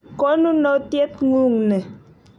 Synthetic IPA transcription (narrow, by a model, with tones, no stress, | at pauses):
kɔ˦nu˦nɔ˦tje˦t̚ŋu˦˨ŋnɛ˨